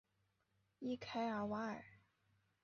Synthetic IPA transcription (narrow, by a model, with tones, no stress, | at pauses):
i˥kʰa˥ɪə˞˨˩wa˧˥ə˨˩˦